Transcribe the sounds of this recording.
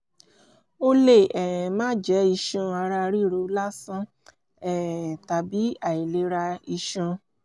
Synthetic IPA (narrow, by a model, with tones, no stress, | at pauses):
o˦le˦˨ɛ˨mãː˦d͡ʒɛ˨˦i˧ʃũ˧a˧ɾa˧ɾi˦˨ɾo˧˦la˦sã˦ | ɛ˦˨ta˨bi˨˦a˦˨i˨le˨˧˦ɾa˧i˧ʃũ˧